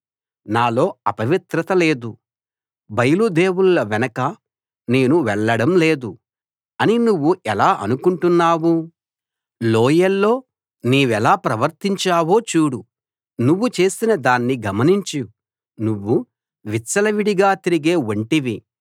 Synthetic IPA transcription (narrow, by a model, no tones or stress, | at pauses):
naːlo̞ːɐpɐʋit̪ɾɐt̪ɐle̞ːd̪u | bɐjɐlud̪e̞ːwullɐʋɛnɐkɐ | ne̞ːnuʋɛɭːɐɽɐmle̞ːd̪u | ɐninuʋːuʔɛlaːʔɐ̰nukuɳʈunːaːwu | loːjɐlːo̞ː | niːʋɛlaːpɾɐʋɐɾt̪iɲt͡ʃaːwo̞ːt͡ʃuːɽu | nuʋːut͡ʃe̞ːsinɐd̪aːnːiɡɐmɐniɲt͡ʃi | nuʋːu | ʋit͡ʃːsɐlɐʋiɽiɡaːt̪iɾiɡe̞ːɐɳʈiʋi